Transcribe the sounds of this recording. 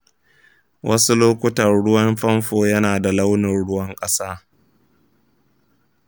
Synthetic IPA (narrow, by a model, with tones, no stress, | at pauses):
wʔɐ˦su˦loː˦kʷʊ˦tɐ˨rɽʊ˦wɐ˦mɸɐ˦mɸoː˨jɐ˦naː˨da˨la˦wnɪ˨nɽʊ˦wɐ˦ŋkʼɐ˦saː˦